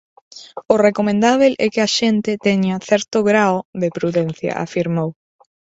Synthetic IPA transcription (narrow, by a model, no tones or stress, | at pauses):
ʊrekomẽnd̪aβelʔɛkɪaʃent̪ɪt̪ɛɲaθɛɾt̪ʊɣɾaoðepɾuðɛn̟θjɐ̰ʔa̰fiɾmow